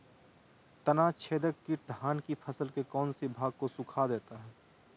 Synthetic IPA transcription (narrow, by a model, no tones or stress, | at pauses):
t̪ənat͡ʃʰeːd̪əkkːiʈ̚d̪ʱaːnkipʰəsəlkekɔːnsibʱaːɡ̚kosʊkʰad̪eːt̪aɦɛː